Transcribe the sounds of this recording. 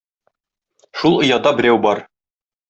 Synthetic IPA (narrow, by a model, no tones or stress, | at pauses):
ʃulˠŏjɑd̪ɑbɘ̆ɾæwbɒɾ